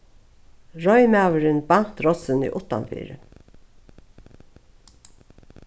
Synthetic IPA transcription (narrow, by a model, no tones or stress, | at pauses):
ɹɔʏmæːwəɾɪnban̥t̪ɾɔsɪnḭːʔʊt̪ːa̰nfḭːɾə̰